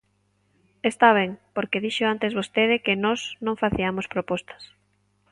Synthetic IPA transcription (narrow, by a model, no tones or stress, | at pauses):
est̪aβ̞ɛŋpoɾkeðiʃoant̪ezβost̪eð̞ɪkenɔznõŋfaθiamospɾopɔst̪ɐ̥s